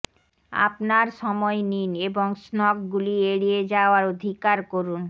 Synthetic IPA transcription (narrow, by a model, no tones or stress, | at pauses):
a̰pnaɾʃɔmɔenineboŋsnɔkɡulieɽied͡ʑaoaɾod̪ʱikaɾkoɾun